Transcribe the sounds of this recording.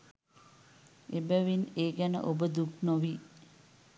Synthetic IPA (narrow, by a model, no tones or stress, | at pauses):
ebəʋineːɡænə̰ʔobəd̪uknoʋi